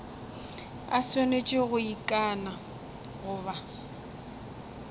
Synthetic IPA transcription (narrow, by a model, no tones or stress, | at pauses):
a̰sonet͡ʃʼɪɣʊikʼana | ɣʊːβa